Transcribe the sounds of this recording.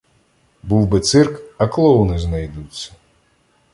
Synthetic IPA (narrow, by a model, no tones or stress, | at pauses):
buw̪ˠbɪt̪sɪrkɐklˠɔwnɪznɐjd̪ut͡sʲːɐ̥